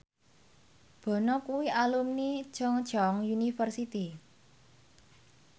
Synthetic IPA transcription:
b̥ɔ̤nɔkuwiʔalumni̥ʒ̥ɔŋd̥ʒ̥ɔŋjunifərsit̪i

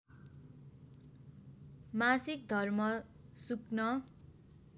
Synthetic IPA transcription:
masik̚d̪ʱʌrmʌ | suknʌ

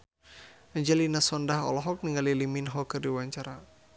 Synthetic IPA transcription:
aɲd͡ʒɛlinasɔndaɦɔ̰lɔɦɔk̚niŋaliliminɦɔkərdiwaɲt͡ʃaɾa

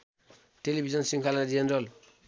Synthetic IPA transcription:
ʈelibʱizʌnsiŋkʰalad͡ʒenɾʌl

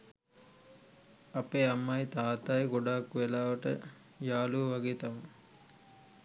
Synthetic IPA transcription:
ɐpeːamːɐjt̪aːt̪ajiɡoɖaːkːuʋelaːʋəʈə̰ | jaːluʋɐɡeːt̪am

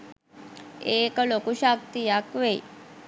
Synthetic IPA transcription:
eklokuɕak̚t̪ijakʋe

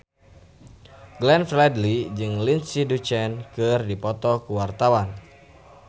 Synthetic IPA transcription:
ɡlɛnflɛdlid͡ʒɨŋlinsidut͡ʃɛnkɨrdipɔt̪ɔkuwart̪awan

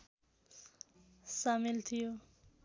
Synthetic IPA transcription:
samilt̪ʰijo

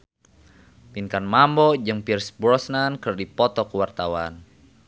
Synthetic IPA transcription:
pinkanmambɔd͡ʒɨŋpirsbɾɔsnankərdipɔt̪ɔkəwart̪awan

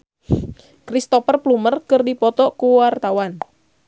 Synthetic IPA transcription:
kɾist̪ɔfərplumərkɨrdipɔt̪ɔkuwart̪awan

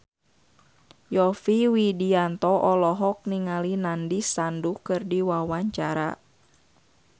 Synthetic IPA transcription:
jɔfiwidiant̪ɔʔɔlɔɦɔk̚niŋalinandisandukɨrdiwawaɲt͡ʃaɾa̰

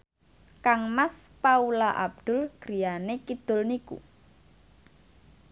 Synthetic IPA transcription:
kaŋmaspaulaʔa̰b̚d̪̥ʊ̤lɡ̥ɾijanekid̪̥ʊ̤lnikṵ

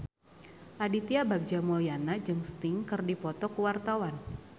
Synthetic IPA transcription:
ʔadit̪iabaɡ̚d͡ʒamɔlianad͡ʒɨŋst̪ɪŋkɨrdipɔt̪ɔkəwart̪awan

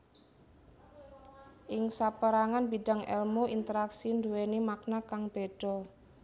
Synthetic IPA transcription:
ʔɪŋsapəɾaŋanbiɖ̥ä̤ŋʔɛ̰lmoʔint̪əɾaksind̪uwenimak̚nakaŋb̥e̤ɖ̥ɔ̤

